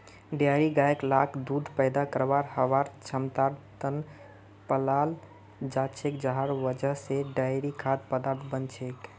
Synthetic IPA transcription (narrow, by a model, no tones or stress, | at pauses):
ɖjaɾiɡaeklakʰd̪ud̪ʱpəjd̪akəɾbaɾhəʋaɾt͡ʃʰəmt̪aɾt̪ən | pəlal | d͡ʒat͡ʃʰekd͡ʒəɦaɾʋəd͡ʒəɦseɖajɾikʰad̪̚pəd̪aɾt̪ʰbənt͡ʃʰek